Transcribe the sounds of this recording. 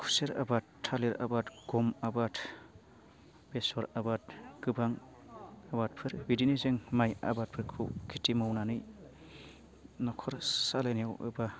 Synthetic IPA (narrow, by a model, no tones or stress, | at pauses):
kʰuseɾa̰batʰːaleɾa̰batɡ̥ɔmabat | b̥esɔɾabat̚ɡ̥ɯbaŋ | abat̚pʰɯɾbidinezɯŋmaja̰bat̚pʰɯɾkʰṵkʰitimɔwnanɯj | nɔkʰɔɾsalenijawʔɯ̰ba